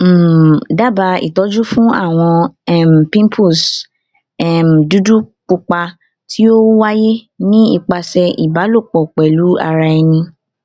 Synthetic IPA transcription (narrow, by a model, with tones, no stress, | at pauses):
m̩˦˨da˦˨ba˧ḭ˨tɔ˨˦d͡ʒu˦fũ˦a̰˦˨w̃ɔ̃˧˦˨m˨pĩ˦mpʰu˦˨s | ɛ˦˨m̩˨du˨˦du˦k͡pu˧k͡pa˧ | ti˦o˦wa˦je˦ | nĩ˦ḭ˦˨k͡pa˧sɛ˧ʔḭ˨ba˨˦lo˦˨k͡pɔ˨k͡pɛ˨lu˨˦a̰˧ɾa˧ɛ˧nĩ˧